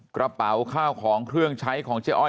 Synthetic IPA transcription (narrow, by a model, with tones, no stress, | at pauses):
kɾa˧pa˨˩˦wkʰaː˥˩wkʰɔː˩˦ŋkʰɾɯ˥˩əŋt͡ɕʰa˦˥jkʰɔː˩˦ŋt͡ɕʰi˦˧˥ʔɔ˥˩